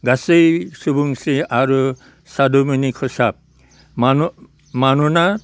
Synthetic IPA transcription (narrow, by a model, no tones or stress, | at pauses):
ɡasejsubuŋsiaɾu | sad̪uminikʰɔsap̚ | mn | manuna